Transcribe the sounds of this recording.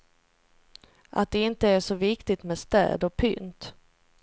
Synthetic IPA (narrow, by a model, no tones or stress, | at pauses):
ʔa̰t̪̚d̪ɛɪnt̪əæʂɔvɪkt̪ɪt̪mɛd̪st̪ɛ̰ːd̪ɔpʰʏnt̪